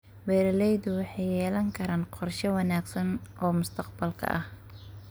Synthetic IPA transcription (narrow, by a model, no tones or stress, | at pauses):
wɛːɾɛlɛjdʊwɑħɑjːɛːlɐŋkʰɐɾaːnqɔrʃɛwɑnaːɡsɐnʔɔːmʊst̪ʰɐqbɐlkʰɐ̰ʔɐh